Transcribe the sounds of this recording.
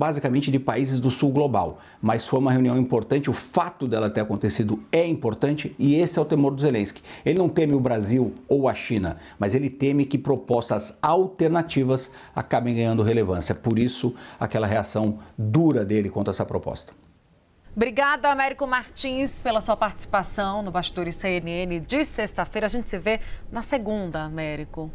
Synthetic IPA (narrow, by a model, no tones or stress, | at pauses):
bazikamẽnt͡ʃɪd͡ʒɪpaizɪzd̪ʊsuwɡloba̰w | mɐsfojumɐɦeuniɐ̃w̃ĩmpoɾt̪ɐ̃nt͡ʃɪʊfat̪ʊd̪ɛlɐt̪eɾakõnt̪esid̪ʊɛĩpoɾt̪ɐ̃nt͡ʃɪɪesɪɛʊt̪emoɾd̪ʊzelẽskɪ̥elɪnɐ̃w̃t̪ẽmɪʊbɾaziwowɐʃĩnɐmɐzelɪt̪ẽmɪkɪpɾopɔst̪ɐzawt̪eɾnat͡ʃivɐs | a̰kabẽj̃ɡɐ̃ɲ̃ɐ̃nd̪ʊɦelevɐ̃sjɐpoɾisʊa̰kɛlɐɦeasɐ̃w̃d̪uɾɐd̪elɪkwõt̪ɾɛsɐpɾopɔ̰st̪ɐ̥ | bɾiɡad̪ɐmɛɾikʊmaɾt͡ʃĩspelɐsuɐpaɾt͡ʃɪ̥si̥pasɐ̃w̃nʊbast͡ʃɪd̪oɾɪseeniẽnɪd͡ʒɪsest̪ɐfejɾɐaʒẽnt͡ʃɪ̥sɪvenɐseɡũd̪ɐmɛɾikʊ